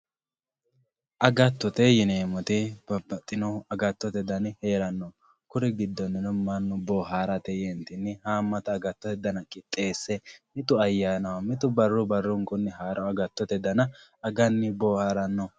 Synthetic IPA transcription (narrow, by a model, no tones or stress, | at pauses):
ʔɐɡɐt̪ːɔt̪ɛjɪneːmɔt̪ɪb̥ɐbːɐt̪ʼːɪnɔɐɡɐt̪ːɔt̪ɛd̪ɐnɪheːɾɐnːɔ | kʊɾɛɡɪd̪ːɔnːɪnɔmɐnːɔboːɦaːɾɐt̪ɛjɛnt̪ɪnːɪhaːmːɐt̪ɐːɡɐt̪ːɔt̪ɛd̪ɐnɐkʼɪt̪ʼːeːsːɛmɪt̪ʊɐjːaːnɐwɐmɪt̪ʊbɐrːɔbɐrːʊŋkʊnːɪɦaːɾʔɔɐɡɐt̪ːɔt̪ɛd̪ɐnɐ | ɐɡɐnːɪboːhaːɾɐnːɔ